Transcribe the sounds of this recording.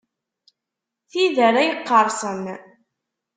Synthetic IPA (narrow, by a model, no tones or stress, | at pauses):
θiðəɾæjəqːəɾˤsˤən